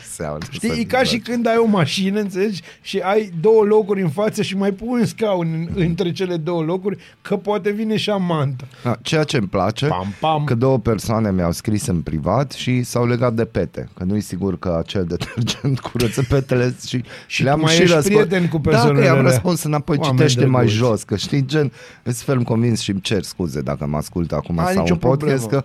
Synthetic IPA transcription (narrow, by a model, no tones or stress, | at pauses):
sea̰kʃut̪ikaʃikɨnd̪ajo̞maʃinəɨnt̪sele̞d͡ʒʲ | ʃiajd̪o̞wəlo̞kuɾʲɨnfat̪səʃimajpunɨnskawnʲɨɨnt̪ɾe̞t͡ʃe̞le̞d̪o̞wəlo̞kurʲ | kʰəpoat̪e̞vine̞ʃiamant̪əat͡ʃejat͡ʃe̞mpla̰t͡ʃe̞a̰amkəd̪o̞wəpersoane̞mja̰wskɾisɨnpɾḭvat̪ʃisawle̞ɡat̪̚d̪e̞pe̞t̪ḛkənujesiɡurkəat͡ʃe̞ld̪et̪ʰerd͡ʒent̪kʰuɾət̪səpet̪eleʃiʃleaamajiɾəspiet̪enkuped̪aonamɾəspunsɨnapo̞jt͡ʃieʃt̪emajʒo̞skəʃt̪id͡ʒen | əsfelmko̞nvinsʃimt͡ʃe̞rskuze̞d̪a̰kəma̰skult̪a̰kumasa̰uonpod̪ʲest̪kə